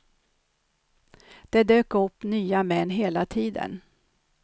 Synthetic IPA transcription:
d̪̥ɛd̪øːkɵpːnyːamɛnːɦeːlat̪ʰiːd̪ə̰n

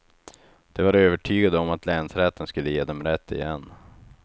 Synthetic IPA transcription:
d̪̥ɛvaɾøːvəʈʰyːɡad̪əɔmat̪lɛːnsɾɛt̪ʰːənskɵlːəjeːd̪ɛmɾɛt̪ʰːɪ̰jɛ̰nː

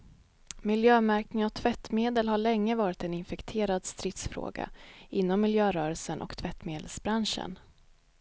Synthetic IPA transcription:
mɪljøːmæɾknɪŋɔt̪ʰvɛt̪ːmeːd̪əlɦaɭɛŋːəvɑːɾɪt̪ɛnɪnfɛkt̪ʰeːɾad̪st̪ɾɪt̪sfɾo̰ːɡa̰ɪnːɔmːɪljøːɾœːɾəlsənʔɔ̰kt̪ʰvɛt̪ːmeːd̪əlsbɾanʂə̰n

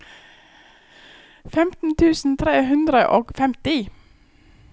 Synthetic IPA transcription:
fɛmt̪n̩t̪ʰʉːsn̩t̪ʰɾeːɦʉnd̪ɾəʔoːɡfɛmt̪ɪ

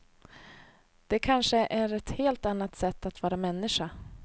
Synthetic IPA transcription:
d̪̥ɛkʰanʂəʔæɾɛt̪heːlt̪anːat̪sɛt̪ːat̪vɑːɾamɛnːɪʂa

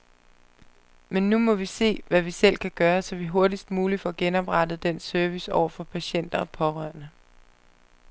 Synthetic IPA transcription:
menːumɒ̽ʋise̝̰ːʋæʋisel̰kʰæɡ̥ɶːɐsɒ̽ʋiɦo̝ɐdisd̥muːlifɒ̽ɡ̥enɒ̽b̥ʁɑ̈d̥ð̩ˠd̥en̰søɐʋisɒʊ̰ɐfɒ̽pʰæɕen̰d̥ɐpʰɒ̽ʁɶɐnə

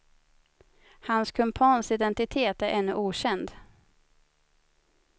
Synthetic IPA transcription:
hanskʰɵmpʰɑːnsɪd̪ɛnt̪ɪt̪ʰeːt̪æɾʔɛnːɵʔuːɕɛnd̪

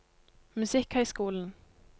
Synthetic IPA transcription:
mʉsɪkhœʏskuːln̩

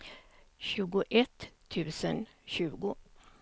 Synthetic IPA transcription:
ɕʉ̟ːɡʊʔɛt̪ʰː | ʉ̟ːsənɕʉ̟ːɡʊ

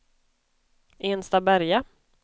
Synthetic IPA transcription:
eːnst̪abæɾja

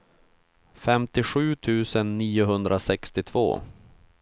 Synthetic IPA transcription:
fɛmt̪ɪɧʉ̟ːt̪ʰʉ̟ːsənːiːʊɦɵnd̪ɾʔasɛkst̪ɪt̪ʰvo̰ː

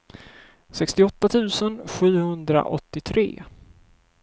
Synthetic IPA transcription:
sɛkst̪ɪɔt̪ːat̪ʰʉ̟ːsənɧʉ̟ːhɵnd̪ɾa̰ʔɔt̪ːɪt̪ʰɾḛː

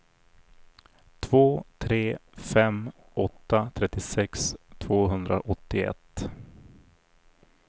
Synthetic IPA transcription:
t̪ʰvoːt̪ʰɾeːfɛm | ɔt̪ːat̪ʰɾɛt̪ːɪsɛkst̪ʰvoːɦɵnd̪ɾa̰ʔɔt̪ːɪɛ̰t̪ː

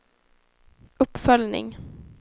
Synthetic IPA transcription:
ʔɵpːfœljnɪ̰ŋ

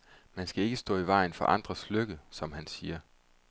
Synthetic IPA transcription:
mænsɡ̥æe̝ɡ̥əsd̥ɔ̰ːiʋɑ̈ɪ̰nfɒ̽ʔɑ̈nd̥ʁɐsløɡ̥əsɒ̽mhænsiːɐ

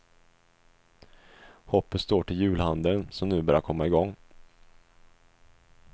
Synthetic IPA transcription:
hɔpːət̪st̪oːʈʰɪljʉ̟ːlhand̪ənsɔmnʉ̟ːbœːɾjaɾkʰɔmːaɪɡɔŋː

